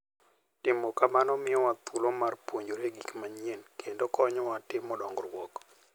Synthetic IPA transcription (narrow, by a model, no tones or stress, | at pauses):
tɪmokamanɔmɪɔwat̪ulomarpwoɲd͡ʒoɾeɡikmaɲenkʰendokɔɲɔwatɪmːɔdɔŋɡɔɾwɔk